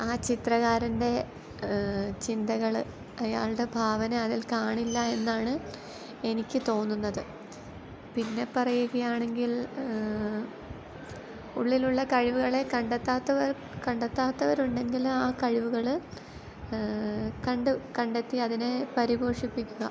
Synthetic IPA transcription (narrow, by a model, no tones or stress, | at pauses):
aːt͡ɕit̪rɐɣaːɾɐnde̞ | t͡ɕind̪ɐɣɐɭ | ɐja̰ːɭɨɽe̞bʱaːʋɐneɐðilkaːɳilːɐe̞nːaːɳɨ | e̞nikʲːɨt̪o̞ːnːunːɐðɨ | pinːe̞pɐrɐjuɣɐjaːɳe̞ŋɡil | uɭːiluɭːɐkɐɻiʋuɣɐɭe̞kɐɳɖet̪ːaːt̪ːɐʋɐɾ | kɐɳɖet̪ːaːt̪ːɐʋɐɾuɳɖe̞nɡilumaːkɐɻiʋuɣɐɭ | kɐɳɖukɐɳɖet̪ːiɐðine̞pɐɾiɣo̞ːʂipːikʲːuɣɐ